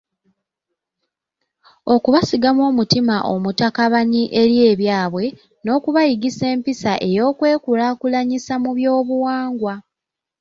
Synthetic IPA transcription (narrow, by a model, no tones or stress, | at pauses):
o̞kuβasiɡamwo̞ːmutimaʔo̞mutakaβaɲiʔe̞ɾje̞ːβjaːβwe̞ | no̞ːkuβajiɡise̞ːmpisaʔe̞jo̞ːkwe̞ːkulakulaɲisamuβjo̞ːβuwaːŋɡwa